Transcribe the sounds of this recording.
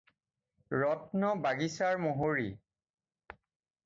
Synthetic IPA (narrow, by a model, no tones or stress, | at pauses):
ɹɔtnɔbaɡisaɹmoɦoɹi